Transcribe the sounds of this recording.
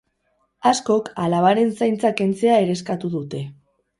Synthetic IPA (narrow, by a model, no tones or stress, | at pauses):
asko̞kalaβaɾe̞nsajnt͡sake̞nt͡se̞ae̞ɾe̞skat̪uðut̪e̞